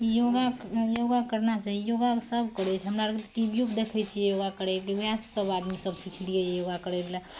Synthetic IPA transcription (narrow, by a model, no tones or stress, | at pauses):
joːɡajoːɡakəɾnat͡ʃaɦijoːɡasəbkəɾet͡ʃʰɦɐmnaɾɐkt̪ʈiːbjukd̪eːkʰet͡ʃʰijejoːɡakəɾekeʋassəbaːd̪misɐbsikʰd̪iejejoːɡakəɾela